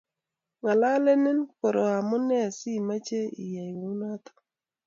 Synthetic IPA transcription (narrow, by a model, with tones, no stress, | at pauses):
ŋa˨la˦le˦ne˦nko˨ɾo˨a˨mʊ˦nɛ˦a˨si˦˨ma˦t͡ʃe˦ḭ˨ja˨i˨wu˦na˦t̪o̥˨